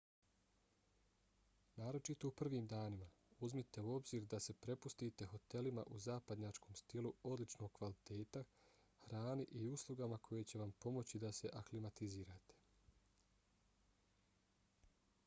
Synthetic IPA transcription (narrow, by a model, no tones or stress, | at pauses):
naːɾo̞t͡ʃit̪oupr̩ʋiːmd̪aːnima | uzmit̪e̞uo̞bziːɾd̪ase̞pɾe̞pust̪it̪e̞xo̞t̪e̞lima̰ʔuzaːpad̪ɲat͡ʃko̞ːmst̪iluo̞d̪lit͡ʃno̞ːɡkʋalit̪e̞ːt̪a | hɾaːniʔiuslˠuɡamakʰo̞je̞t͡ɕe̞ʋampo̞mo̞t͡ɕid̪ase̞ʔaklimat̪iziːɾat̪e̥